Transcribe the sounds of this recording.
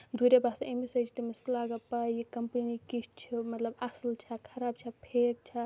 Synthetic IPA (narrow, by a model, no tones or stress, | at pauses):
d̪ʱuɾebasemisɐt͡ʃʰt̪emisklaɡəpaikɐmpənikit͡ʃʰimɐt̪ləbɐslt͡ʃʰakʰɐɾaːb̚t͡ʃʰapʰek̚t͡ʃʰa